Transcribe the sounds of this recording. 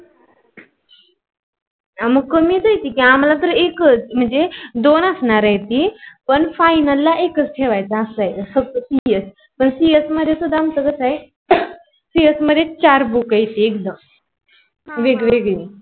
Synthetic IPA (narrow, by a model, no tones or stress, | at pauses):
aməɡkəmiːt̪əɦjt̪iːkĩam̤lat̪əɾekət͡sm̤əɳd͡zed̪onəsnaɾəjt̪iːpəɳfajnəlːaʔekət͡sʈʰeʋajt͡saːsajt͡sasəɡ̚t̪əsijəs | pəɳsijəsməd̪ʱesud̪ʱamtəkəsae | siəsməd̪ʱet͡ɕaɾbukajt̪iek̚d̪əm | ʋeɡʋeɡʋi